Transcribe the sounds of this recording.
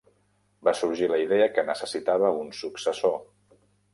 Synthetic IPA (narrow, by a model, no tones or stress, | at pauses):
basuɾʒiləiðeəkənəsəsit̪aβ̞əunsuksəso